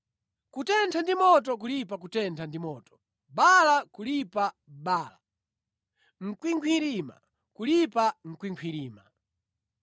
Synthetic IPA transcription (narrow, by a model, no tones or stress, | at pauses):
kutɛntʰandimɔt̬ɔk̬ulipakutɛntʰandimɔːtɔ̥ | ɓalakulipa | ɓaːla | ŋ̩kwiŋkʰwiɾima̰ | kulipaŋ̩kwiŋkʰwiɾiːma